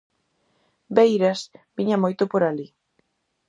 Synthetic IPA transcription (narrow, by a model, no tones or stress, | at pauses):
bejɾasbiɲamojt̪opoɾali